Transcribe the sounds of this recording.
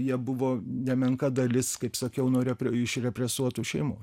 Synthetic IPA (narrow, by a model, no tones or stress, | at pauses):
jiɛbʊʋoːnʲɛmʲɛŋkɐd̪ɐlʲɪskɐɪpsɐkʲɛʊnuːɾʲɛpʲɾʲɛɪʃɾʲɛpʲɾʲɛsuɔt̪uːʃʲɛɪmoː